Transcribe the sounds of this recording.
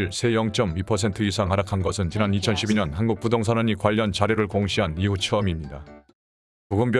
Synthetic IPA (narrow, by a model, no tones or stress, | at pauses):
ɭsʰe̞jʌŋt͡ɕ͈ʌmipʰʌsʰe̞ntʰɯisʰaŋaɾakʰanɡʌsʰɯnt͡ɕinanit͡ɕʰʌnɕʰibiɲʌnhanɡuk̚p͈udoŋs̬ʰanaɲikwaʎːʌnt͡ɕaɾjiɾɯɭkoŋɕʰiɦaniɦut͡ɕʰɯʌmimɲida | puɡɯmpjʌ